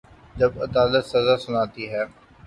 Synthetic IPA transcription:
d͡ʒɐbɐd̪aːlət̪sɐzasʊnaːt̪iɦɛː

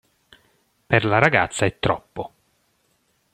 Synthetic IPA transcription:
perlaɾaɡa̰t̪sːaɛt̪ːɾɔpːo

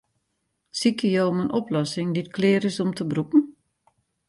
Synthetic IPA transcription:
sikəjoːmənʔɔplɔsɪŋditkʰlɪːɾɪsɔmtəbrupn̩

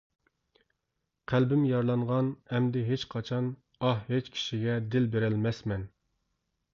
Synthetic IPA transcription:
qʰælbɪmjɑɾlˠɑɴʁɑnɛmd̪ɪɦet͡ʃqʰɑt͡ʃʰɑn | ɑhɦet͡ʃkʲʰi̥ʃiɡʲɛd̪ɪlbeɾɛlmɛsmɛn

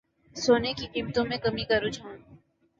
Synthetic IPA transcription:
soːnekikiːmt̪õmẽkɐmikɐɾʊd͡ʒʰʱõ

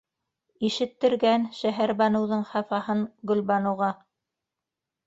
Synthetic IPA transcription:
iʃɘ̆t̪ːɘ̆ɾɡænʃæɦæɾbɑnɤ̆wðɤɴχɑfɑhɤɴɡɵ̆lβɑnɤ̆wʁɑ

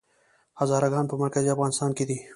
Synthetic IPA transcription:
hazɑːɾaɡɑːnpəmɐɾkaziafɣɑːnɪst̪ɑːnked̪i

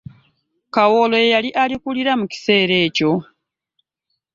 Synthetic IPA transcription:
kawolojejaliʔalikuliɾamuci̥se̞ːɾe̞ːco̞

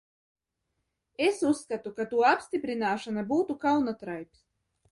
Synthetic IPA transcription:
esusːkat̪ukat̪uɔapsʲt̪ʲipɾinaːʃanabuːt̪ukawnat̪ɾajps

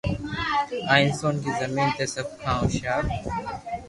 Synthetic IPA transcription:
aːɪ̃nsoːnkiːzɐmĩːnt̪esɐb̚kʰãːõːʃaːɾ

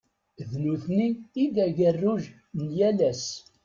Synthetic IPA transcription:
ðnuθniːd̪æʝərːuʒ | njælæs

